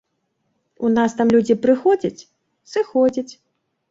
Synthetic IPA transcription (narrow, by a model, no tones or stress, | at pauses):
unast̪amlʲud͡zʲipɾɨxɔd͡zʲɐt͡sʲ | sɨxɔd͡zʲɐt͡sʲ